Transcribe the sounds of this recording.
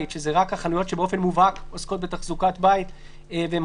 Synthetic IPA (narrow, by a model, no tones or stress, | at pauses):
itʃezeʁakhaχanujo̞tʃebeo̞fenmuvakosko̞t̪̚bet̪aχzukatbait̪ | vem